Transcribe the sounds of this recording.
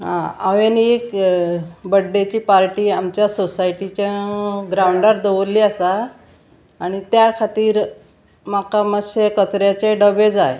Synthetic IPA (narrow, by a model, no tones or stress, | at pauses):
ɦãa̰ʋenek | bəɖːet͡ɕiːpaɾʈiːamt͡ɕjasosaiʈit͡ɕãɡɾauɳɖəɾd̪əʋoliːasaː | ɽ̃it̪jakʰat̪iːɾ | makaməɕekət͡sɾjat͡ɕeɖəbed͡zaje